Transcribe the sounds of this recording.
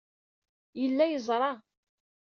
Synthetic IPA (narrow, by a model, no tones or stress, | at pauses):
jəlːæjəzˤɾˤɑ